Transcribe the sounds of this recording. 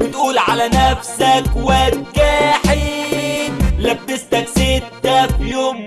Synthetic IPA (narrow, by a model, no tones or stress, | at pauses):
wɪt̪ʔuːlʕalænæfsækwæt̪̚ɡæħi | læb̚t̪ɪst̪æksɪt̪ːæfjoːm